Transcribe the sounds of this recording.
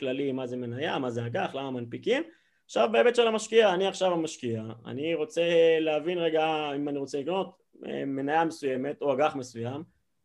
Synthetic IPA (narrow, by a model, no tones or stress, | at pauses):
klalimaze̞me̞najamazeaɡaχlamamanpikim | aʃavbaebet̪ʃelamaʃkiaːniaχʃavamaʃkiaa̰niʁo̞t͡se̞leavinʁeɡaimaniʁo̞t͡selikno̞t̪ | ḛme̞najame̞suje̞me̞t̪oaɡaχme̞sujam